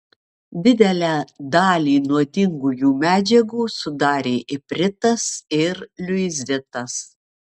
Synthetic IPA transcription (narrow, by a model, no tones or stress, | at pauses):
d̪ʲɪd̪ʲɛlʲæːd̪ɑːlʲiːnuɔt̪ʲɪŋɡuːjuːmʲæːd͡ʒʲɛɡuːsʊd̪ɑːɾʲeːʔɪpʲɾʲɪt̪ɐsɪɾlʲʊɪzʲɪt̪ɐs